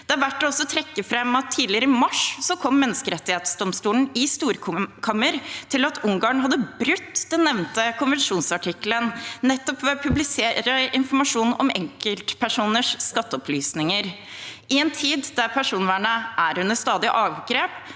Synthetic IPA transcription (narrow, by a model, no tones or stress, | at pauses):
d̪ɛæɾʋæʈːɔsːɔt̪ʰɾɛkːəfɾɛmːɑt̪ʰːiːd̪lɪəɾəɪmɑʂsɔkʰɔmːɛnːəskəɾɛt̪ːɪheːt̪sd̪ɔmst̪uːln̩ɪst̪uːɾkʰɑmːəɾt̪ʰɪlɑt̪ʰʊŋɡɑːɳɦɑd̪ːəbɾʉt̪ːd̪ɛnːɛʋnt̪əkʊnʋɛɳʂuːnsɑʈʰɪklənnɛt̪ːɔpʋɛpʰʉblɪseːɾəʔɪnfɔɾmɑʂuːnɔ̰mɛ̰ŋkəlt̪pʰæʂuːnəʂskɑt̪ːəɔplyːsnɪŋəɾ | ʔɪɛːnt̪ʰiːd̪d̪æɾpʰæʂuːnʋæːɳəʔæɾhʉnəst̪ɑːd̪ɪʔɑːʋɡɾeːp